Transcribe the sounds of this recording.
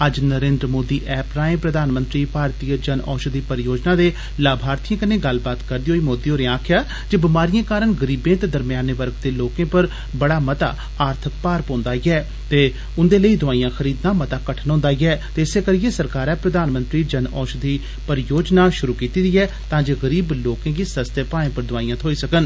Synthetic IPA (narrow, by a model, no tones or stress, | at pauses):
əd͡ʒnəɾẽːnd̪ɾəmoːd̪iːʔɛːpɾaːẽːpɾəd̪ʱaːnmə̃nt̪ɾiːpaːɾt̪iːəd͡ʒənɔ̰ːʃd̪iːpəɾjoːd͡ʒnaːd̪eː | laːbʱaːɾt̪ʰijãːkənẽːɡəlbaːt̪kəɾd̪iːɦoːiːmoːd̪iːoːnẽːaːkʰjaː | d͡ʒebɪmaːɾijãːkaːɾəɳɡəɾiːbẽːt̪eːd̪əɾmɪjaːneʋəɾɡd̪eːloːkẽːpəɾ | bəɽaːmət̪a̰ː | aːɾt̪ʰək̚paːɾpõːnd̪aːiːɛː | t̪eː | ʊnd̪eːləiːd̪ʊaːijãːxʰəɾiːd̪naːmət̪aːkəʈʰənɦõnd̪aːiːɛːt̪eːɪseːkəɾɪjeːsəɾkaːɾɛːpɾəd̪aːnmə̃nt̪ɾiːd͡ʒənɔːʃd̪iː | pəɾjoːd͡ʒnaːʃʊɾuːkiːt̪iːd̪iːɛː | t̪ãːd͡ʒeːɡəɾiːbloːkẽːɡiːsəst̪jepaːẽːpəɾd̪ʊaːiːãːt̪ʰoːiːsəkən